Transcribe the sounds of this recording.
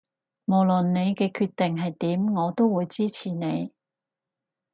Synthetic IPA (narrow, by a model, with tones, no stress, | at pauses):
mo˨˩wlɵ˨nːe˨˧jkɛː˧kʰyː˧t̪ːɪ˨ŋɦɐ˨jt̪iː˨˥mŋɔː˨˧t̪o˥wwuː˨˧jt͡siː˥t͡sʰiː˨˩ne˨˧j